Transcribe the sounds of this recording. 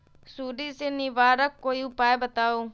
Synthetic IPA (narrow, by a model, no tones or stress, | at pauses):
suːɖiːseːniːʋaːɾəkːoːiːʊpaːebət̪aːoː